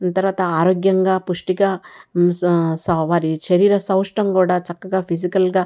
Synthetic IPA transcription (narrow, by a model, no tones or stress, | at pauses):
t̪ɐɾʋaːt̪ɐaːɾoːɡjɐŋɡaːpuʂʈiɡaː | sɐʋaːɾiʃɐɾiːɾɐsɐwʂʈɐmkuːɽaːt͡ʃɐkːɐɡaːpʰisikɐlɡaː